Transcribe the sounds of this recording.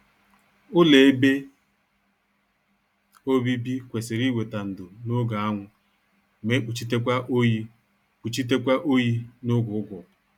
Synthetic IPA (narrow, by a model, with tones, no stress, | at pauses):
ʊ˦le˨e˦be˦ | o˦bi˦bi˦kʷe˨sɪ˨ɾi˦wʷe˨ta˨n̩˨dʊ˨nʊ˦ɡa˨a˦ŋʷʊ˨ | me˦k͡pu˨t͡ʃi˦te˦kʷa˦ʔo˦ji˦ | k͡pu˨t͡ʃi˦t̬e˦kʷa˦ʔo˦ji˦nʊ˦ɡʊ˨ʊ˦ɡʊ˨